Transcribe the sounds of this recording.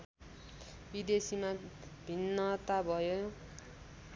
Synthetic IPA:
bid̪esimabʱinːʌt̪abʱʌjo

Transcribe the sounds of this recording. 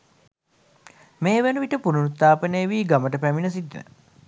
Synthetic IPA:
meːʋenuʋiʈəpununut̪ːaːpənejːʋiːɡaməʈəpæminəs̬it̪ːinə̰

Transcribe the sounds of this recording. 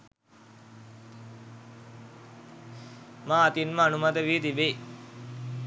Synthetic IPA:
mãːɐt̪inməanumat̪əʋiːt̪ibe

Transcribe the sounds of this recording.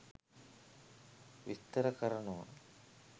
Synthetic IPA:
ʋist̪ːɐɾɐkɐɾɐɳuʋɐ̰

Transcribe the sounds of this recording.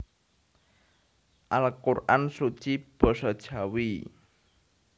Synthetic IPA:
ʔalkurʔansut͡ʃib̥ɔ̤sɔd̥ʒ̥a̤wi

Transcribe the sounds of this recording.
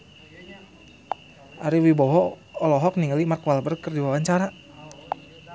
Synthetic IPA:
ʔaɾiwibɔɦɔ | ɔlɔɦɔk̚niŋəlimarkwalbərkərdiwawaɲt͡ʃaɾa

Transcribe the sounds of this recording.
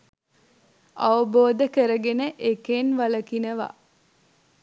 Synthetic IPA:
aʋəboːd̪əkəɾəɡenəʔekenʋaləkinəʋa̰

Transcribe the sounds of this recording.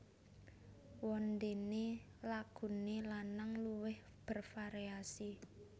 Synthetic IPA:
wɔnd̪ene | laɡ̥ṳnelanaŋluwɪh | b̥ə̤rfaɾiasi

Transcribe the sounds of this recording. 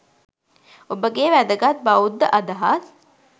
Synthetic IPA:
obəɡeːʋæd̪əɡat̪̚baud̪ːəʔɐd̪ɐɦat̪

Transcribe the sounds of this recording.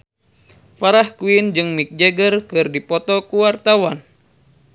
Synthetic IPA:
faɾahkuind͡ʒɨŋmik̚d͡ʒɛɡərkɨrdipɔt̪ɔkuwart̪awan

